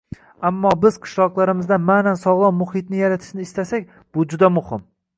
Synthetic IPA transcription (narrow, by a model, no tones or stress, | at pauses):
amːɒbɪz̥qʰɨ̥ʃlˠɒqlˠaɾɪmɪzd̪amanansɒʁlˠɒwmʊhɪt̪nɪjaɾat̪ʰɪ̥ʃnɪːst̪asakʲ | b̥ʊd͡ʒʊd̪amʊhɪm